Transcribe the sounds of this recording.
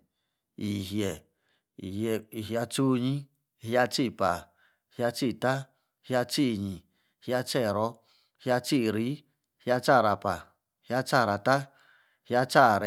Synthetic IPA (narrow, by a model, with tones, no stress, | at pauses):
i˨ɦje˨ | i˨hje˧i˧˨ɦi˧a˧t͡ʃu˦ɲĩ˦ | hja˧t͡ʃi˦˧pa̰˨ | hja˧t͡ʃi˦˧t̪a˦ | hja˧t͡ʃi˦˧˨ɲĩ˨ | hja˧t͡ʃe˦˨ɾo˦ | hja˧t͡ʃi˦˧ɾi˦ | hja˧t͡ʃa˦˧ɾa˧pa˨ | hi˦a˦t͡ʃa˦˨˧ɾa˧t̪a˦ | hja˦˧t͡ʃa˦˨ɾe˨